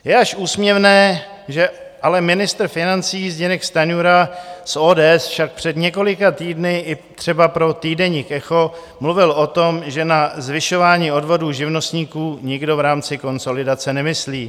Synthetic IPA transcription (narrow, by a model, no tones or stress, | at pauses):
jɛaʃʔuːsmɲɛvnɛː | ʒɛ | ʔalɛmɪnɪst̪ɾ̩fɪnant͡siːzɟɛnɛkst̪aɲuɾasʔoːdɛːɛsfʃak̚pr̝̥ɛdɲɛko̞lɪkat̪iːdnɪʔɪt̪r̥ɛbapɾo̞t̪iːdɛɲiːkʔɛxo̞ | mluvɪlʔo̞t̪o̞mʒɛnazvɪʃo̞vaːɲiːo̞dvo̞duːʒɪvno̞st̪ɲiːkuːɲɪɡdo̞vɾaːmt͡sɪko̞nso̞lɪdat͡sɛnɛmɪsliː